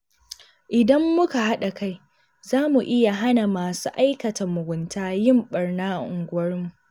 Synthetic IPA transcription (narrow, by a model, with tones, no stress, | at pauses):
ʔɪ˨dɐ˦mːʊ˦ka˨ha˦ɗa˨ka˦j | zaː˦mu˨ʔɪ˦ja˨ɦa˦na˨maː˨sṵː˦ʔa˦jkɐ˨tɐ˨mʊ˨ɡʷʊ˨ntʰaː˦jɪ˦˨mɓɐ˨rnaː˦˨ʔʊ̰˨ŋɡʷʊ˦wɐ˦rmu˨ʔʔ